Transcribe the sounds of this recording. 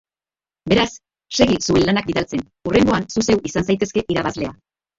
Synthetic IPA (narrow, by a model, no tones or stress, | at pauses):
be̞ɾas | se̞ɣisue̞nlanak̚biðalt͡se̞n | ure̞ŋɡo̞ansuse̞wisansajt̪e̞ske̞ʔiɾaβazle̞a